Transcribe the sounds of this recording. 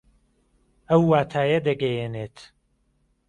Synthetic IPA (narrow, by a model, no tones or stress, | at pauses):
ɐwːaːt̪ʰaːjɐd̪ɐɡɐjenet̪